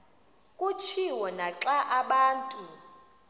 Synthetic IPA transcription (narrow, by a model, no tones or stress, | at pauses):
kʼut͡ʃʰiwɔnaǁaʔaɓaːntʼu